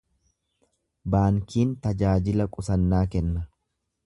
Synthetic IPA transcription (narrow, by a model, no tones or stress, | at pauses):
baːŋkiːnt̪ɐd͡ʒaːd͡ʒɪlɐkʼʊsɐnːaːkɛnːɐ